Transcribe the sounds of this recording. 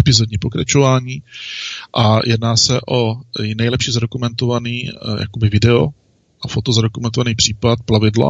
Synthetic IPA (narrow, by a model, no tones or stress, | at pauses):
ɛpɪzodɲiːpo̞kɾa̰t͡ʃovaːɲiːʔajʔɛdnaːsɛʔo̞nɛjlɛpʃizado̞kumɛnt̪ovaniːja̰kobɪvɪdɛo | ʔafot̪ozadokumɛnt̪ovaniːpr̝̥iːpat̪̚plavɪdla̰